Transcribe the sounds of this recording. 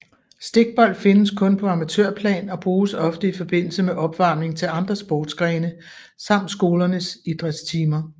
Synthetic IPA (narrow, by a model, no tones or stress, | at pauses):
sd̥e̝ɡ̥̚b̥ɒ̽l̰̥fe̝nəskʰɔ̽npʰɒ̽ɑ̈mæt͡sʰøɐ̰pʰlɛ̰ːnɒ̽b̥ʁuːsɒ̽fd̥əifɒ̽b̥e̝n̰l̩səmeʔɒ̽b̥ʋɑ̈ːmne̝ŋt͡sʰe̝lɑ̈nd̥ʁɐsb̥ɒːd̥sɡ̥ʁɛːnə | sɑ̈m̰d̥sɡ̥o̝ːlɐnəsid̥ʁɛ̥st͡sʰiːmɐ